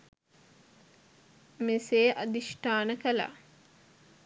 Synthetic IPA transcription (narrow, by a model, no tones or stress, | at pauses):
meseːʔad̪iʃʈaːnəkəla̰